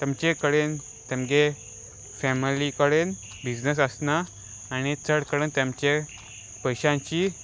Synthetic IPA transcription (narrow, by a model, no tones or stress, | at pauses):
t̪amt͡ɕekəɽen | t̪ɛmɡe | fɛmilikəɽen | bid͡znəsəsnaː | ñit͡səɽkəɽent̪jamt͡ɕe | pəjɕãɲt͡ɕi